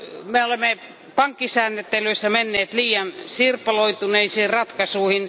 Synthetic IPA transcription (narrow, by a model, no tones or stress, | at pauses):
meolemːe | pɑŋkːisæːnːet̪ːelyisːæmenːeːt̪liːjɑnsirpːɑloit̪uneiseːrrɑt̪kɑsuihin